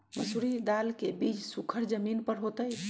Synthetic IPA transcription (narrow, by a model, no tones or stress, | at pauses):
məsuɾid̪alkebit͡ʃsukʰəɾd͡ʒəminpəɾɦot̪əj